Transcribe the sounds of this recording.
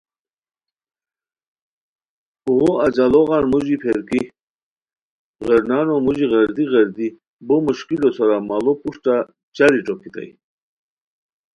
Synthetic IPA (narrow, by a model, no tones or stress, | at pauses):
uɣoad͡ʑaloɣanmuʑipʰeɾki | ɣəɾnaːnomuʑiɣɐɾd̪iɣɐɾd̪i | bomuɕkilosaɾamalopuʂʈa | t͡ɕaɾiʈ͡ʂokit̪a̰j